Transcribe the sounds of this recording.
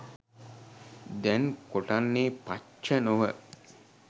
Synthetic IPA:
d̪ɛnkoʈanːeːpa | t͡ʃːənuʋə

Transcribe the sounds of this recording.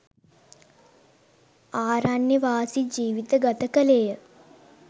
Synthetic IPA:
aːɾanjɐʋaːsid͡ʒiːʋit̪əɡɐt̪əkəleːjə

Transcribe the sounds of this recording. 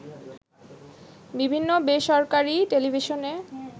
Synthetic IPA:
bibʱinːobeʃɔɾkaɾiʈelibʱiʃone

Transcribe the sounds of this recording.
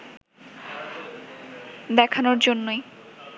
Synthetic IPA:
d̪ɛkʰanoɾd͡ʑonːoj

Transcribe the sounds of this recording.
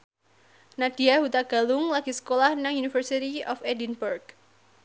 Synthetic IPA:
nad̥iahut̪aɡ̥a̤lʊŋlaɡ̥isə̥kolahnaŋjunifərsit̪iɔfɛdinburɡ

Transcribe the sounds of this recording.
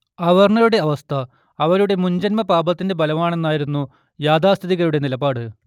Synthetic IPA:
ɐʋɐrɳɐjuɽe̞ɐʋɐst̪ʰɐː | ʋɐɾuɽe̞muɲd͡ʑɐnmɐpaːbɐt̪ːinde̞bɐlɐmaːɳe̞nːaːjiɾunːu | jaːd̪ʱaːst̪ʰiðiɣɐɾuɽe̞nilɐbaːɽɨ

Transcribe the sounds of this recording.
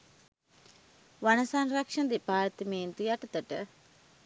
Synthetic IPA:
ʋanəsanrakʂɐnd̪epaːɾt̪ɐmeːnt̪ujaʈət̪əʈə

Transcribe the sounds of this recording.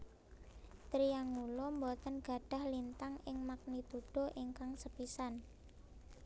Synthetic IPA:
t̪ɾiaŋulɔmbɔt̪ənɡ̥a̤ɖ̥a̤hlint̪aŋɪŋmak̚nit̪uɖ̥o̤ʔiŋkaŋsəpisan

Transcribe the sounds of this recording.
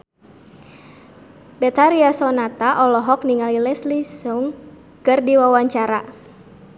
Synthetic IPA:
bɛt̪aɾiasɔnat̪aʔɔlɔɦɔkniŋalilɛslisʊŋ | kɨrdiwawaɲt͡ʃaɾa

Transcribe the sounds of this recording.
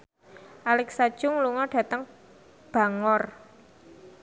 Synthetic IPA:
ʔalɛksad̥ʒ̥ʊŋluŋɔɖ̥ä̤t̪əŋ | b̥a̤ŋɔr

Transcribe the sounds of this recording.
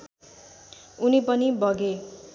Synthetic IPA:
unipʌnibʱʌɡe

